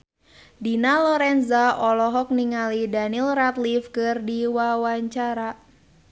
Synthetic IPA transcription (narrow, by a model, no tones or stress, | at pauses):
dinalɔɾɛnzaɔlɔɦɔk̚niŋalidanilrat̪lifkɨrdiwawaɲt͡ʃaɾa